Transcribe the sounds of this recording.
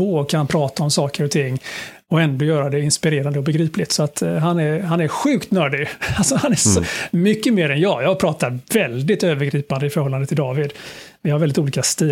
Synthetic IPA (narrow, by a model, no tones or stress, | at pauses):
oːkʰanpʰɾɑːt̪aɔmsɑːkəɾɔt̪ʰɪŋː | ɔɛnd̪ɔjœːɾad̪ɛɪnspɪɾeːɾand̪əɔbɛɡɾiːplɪt̪sɔat̪ɦanæɾɦanæɾɧʉ̟ːkt̪nœːɖɪɡalsɔhanæɔmʏkːəmeːɾɛnjɑːɡjɑːɡpʰɾɑːt̪aɾvɛld̪ɪt̪øːvəɾɡɾiːpand̪əɪfœɾhɔlːand̪ət̪ʰɪld̪ɑːvɪd̪vɪhaɾvɛld̪ɪt̪uːliːkast̪iː